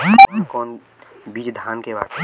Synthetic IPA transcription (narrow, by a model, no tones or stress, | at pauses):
kɔːn | bid͡ʒd̪ʱaːnkeba̰ːd̪